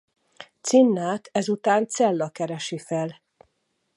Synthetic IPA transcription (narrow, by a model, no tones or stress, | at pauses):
t̪sinːaːt̪ʰɛzut̪aːnt̪sɛlːɒkɛɾɛʃifɛl